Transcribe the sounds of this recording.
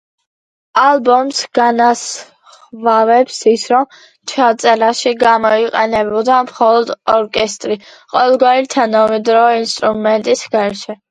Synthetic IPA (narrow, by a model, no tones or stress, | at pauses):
alˠbɔmsɡ̥anas | χvavɛpsisɾɔm | t͡ʃ̪ʰat̪sʼɛɾaʃiɡamɔiqʼɛnɛbɔd̪amχɔlˠɔd̪ɔɾkʼɛst̪ʼɾiqʼɔvɛlˠɡwaɾit̪ʰanamɛd̪ɾɔːinst̪ʼɾumɛnt̪ʼisɡaɾʃɛ